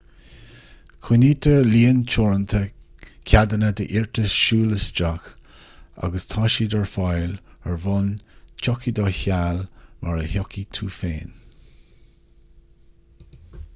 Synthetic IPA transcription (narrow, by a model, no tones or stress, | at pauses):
kʰiniːt̪ʰəɹliːənt͡ʃʰɔɹənt̪ʰəkʰad̪ənəd̪əʔɪɹt̪əsʃuːləsd͡ʒax | a̰ɡəst̪ʰaːʃid̪əɹfajləɹvɔnt͡ʃʰɔkid̪ɔːçalmʔaɹəhɔkʰit̪ʰuːfeːn